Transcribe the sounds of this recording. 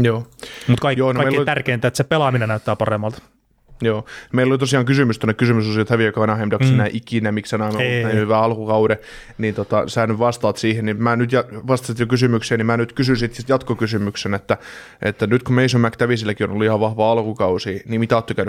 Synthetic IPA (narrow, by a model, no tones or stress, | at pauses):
joːmut̪kɑijoːnoɑimeilolit̪ærkeːnt̪æːet̪sepelɑminenæyt̪ːæːpɑremːɑlt̪ | joːnmeilːolit̪osiɑːŋkysymyst̪onːekysymysosiot̪hæʋijokɑʋɑnɑhemd̥̪ɑkssenæʔikinæmiksænɑimoænhyʋæːɑlkukɑuɾe | nint̪ot̪ɑsæːnyʋʋɑst̪ɑːt̪siːhennimæːnyt̪jɑʋɑst̪ɑsit̪jokysymykseːnimæːnyt̪kysynsit̪t̪jɑt̪kokysymyksenet̪ːæ | ʔḛt̪ːænyt̪kumeisomækt̪æʋisilːækionoluihɑʋʋɑhʋɑːɑlkukɑusiːniːmit̪æɑt̪ːøkæyny